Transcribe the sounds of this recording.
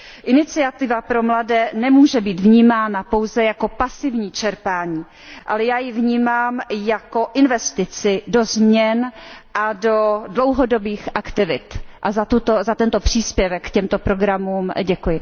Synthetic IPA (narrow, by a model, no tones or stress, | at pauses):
ʔɪnɪt͡sɪat̪ɪvapɾo̞mladɛːnɛmuːʒɛbiːt̪vɲiːmaːnapo̞wzɛjako̞pasɪvɲiːt͡ʃɛɾpaːɲiː | ʔalɛjaːjɪvɲiːmaːmjako̞ʔɪnvɛst̪ɪt͡sɪdo̞zmɲɛnʔado̞dlo̞wɦodobiːxʔakt̪ɪvɪt̪ʔazat̪ut̪ozat̪ɛnt̪o̞pr̥iːspjɛvɛkːcɛmt̪o̞pɾo̞ɡɾamuːmɟɛkujɪ